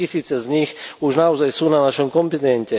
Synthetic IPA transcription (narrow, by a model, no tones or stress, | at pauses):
isiːt͡sɛzɲixuʒnaɔzajsuːnanaʃɔmkɔmpinɛncɛ